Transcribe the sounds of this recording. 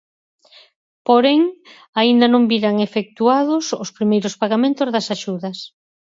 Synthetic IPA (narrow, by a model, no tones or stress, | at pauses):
poɾeŋ | aind̪ɐnõmbiɾaŋefek̚t̪uaðʊsʊspɾimejɾʊspaɣamẽnt̪ʊzðɐsaʃuðɐs